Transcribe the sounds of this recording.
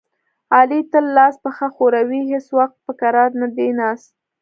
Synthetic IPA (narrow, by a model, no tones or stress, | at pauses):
ɑlit̪əlːɑspəxaxoɾawiɦeswaxt̪̚pəkaɾɑɾnad̪enɑs